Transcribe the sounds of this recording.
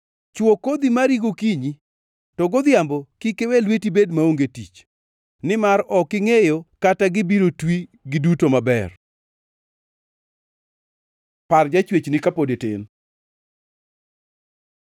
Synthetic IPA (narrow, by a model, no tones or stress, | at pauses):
t͡ʃwokod̪imaɾiɡokiɲi | tɔɡod̪ɪjambokikewelwetibedmaoŋɡetḭt͡ʃ | nɪmaɾɔkɪŋejokataɡɪbiɾotwiɡɪdutomabɛr | pard͡ʒat͡ʃwet͡ʃnɪkapodetɪ̰n